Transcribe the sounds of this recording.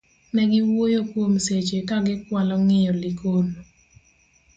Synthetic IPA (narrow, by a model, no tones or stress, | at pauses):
nɛɡɪwojokwomset͡ʃekaɡɪkwalɔŋɪjɔlikon